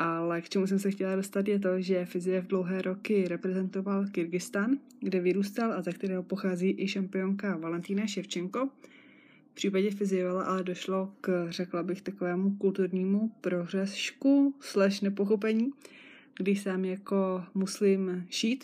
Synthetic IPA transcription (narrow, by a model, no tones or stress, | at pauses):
ʔalɛkt͡ʃɛmus̬ɛmsɛxcɛlado̞st̪at̪jɛt̪̬o̞ʒɛfɪzɪjɛvdlo̞wɦɛːɾʔo̞kɪɾɛpɾɛzɛnt̪o̞valkɪɾɡɪst̪an | ɡdɛvɪɾuːst̪alʔazɛkt̪ɛɾɛːɦopo̞xaːziːʔɪʃampɪo̞ŋkavalɛnt̪iːnaʃɛft͡ʃɛŋko̞ | pr̥iːpaɟɛfɪzɪjɛvalaʔalɛdo̞ʃlo̞krɛklabɪxt̪akovɛːmukult̪uɾɲiːmupɾo̞r̝ɛsʃkuslɛʃnɛpo̞xo̞pɛɲiː | ɡ̥dɪʃsaːmjako̞muslɪmʒiːt̪